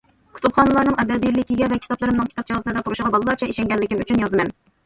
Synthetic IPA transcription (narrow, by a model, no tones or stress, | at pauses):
kʰʲy̥t̪ʰupχɑnɨlˠɑɾnɨŋʔɛd̪ɛbijɾlɪkʲʰːiɡʲɛvɛkʲʰi̥t̪ɑplˠɨɾɨmnɨŋkʲʰt̪ɑp̚d͡ʒɑzlˠɨɾd̪ɑt̪ʰuɾuʃəʁɑbɑlˠɨlˠɑt͡ʃʰɛiʃɛŋɡʲɛlːɪkʲimyt͡ʃʰynjɑzɨmɛn